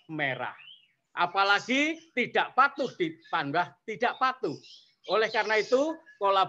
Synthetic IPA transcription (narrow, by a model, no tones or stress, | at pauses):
meɾa̰h | ʔapalaɡ̥it̪iɖ̥aʔpat̪uhd̪̥ipandaht̪id̥aʔpat̪u | ʔolɛhkarnait̪ukola